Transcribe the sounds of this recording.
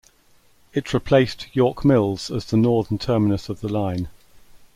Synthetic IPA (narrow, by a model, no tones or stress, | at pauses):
ɪtʰɹɪpʰl̥eɪstjɔˑkmɪlˠz̥əzðənɔːðəntʰɜːmɪnəsəvðəlãɪ̃n